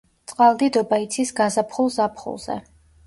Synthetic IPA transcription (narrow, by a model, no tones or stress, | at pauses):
t̪sʼqʼalˠd̪id̪ɔbait̪sʰisɡazapʰχulˠzapʰχṵlˠz̥ɛ̰